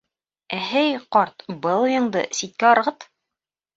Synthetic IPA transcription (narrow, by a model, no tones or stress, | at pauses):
æɦɘjqɒɾt̪bɤlˠjɤ̆ɴd̪ɤ̰sit̪̚kæɒɾ̆ʁɤt̪